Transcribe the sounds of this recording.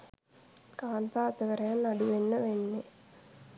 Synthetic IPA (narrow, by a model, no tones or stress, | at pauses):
kaːnt̪aɐt̪əʋəɾɐjanːaɖuʋenːəʋenːe